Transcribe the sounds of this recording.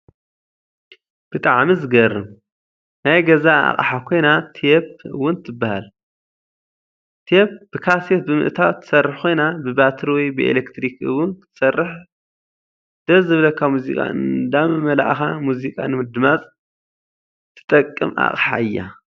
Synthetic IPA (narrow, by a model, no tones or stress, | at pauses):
b̥ɨt̪ʼaʕmizɨɡɐrɨm | najɡɐzaa̰χʼħakʰo̞jnat̪ʰijep̚ɨwːʊnt̪ʰɨbːahal | t̪ʰijep̚b̥ɨkʰaset̪̚bɨmɨ̰ʔt̪ʰawt̪ʰːɨ̥sɐrːɨħkʰo̞jnabɨbat̪ʰɨɾwɔjbɨḛlekt̪ʰɾikɨ̰wʊnkʰɨt̪ʰɨ̥sɐrːɨħ | d̪̥ɐzɨβlɐkʰːamuzikʼa̰ɨnd̪amɨmɐla̰ʔxamuzikʼa̰nɨmɨd̪ɨmat͡sʼ | t̪ʰːɨ̥t̪ʼɐkʼːɨma̰χʼħa̰ɨjːa̰